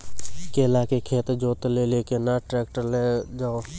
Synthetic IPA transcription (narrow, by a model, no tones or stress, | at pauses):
keɪlaːkekʰeːt̪d͡ʒoːt̪lelekenaʈɾɛːk̚ʈəɾled͡ʒo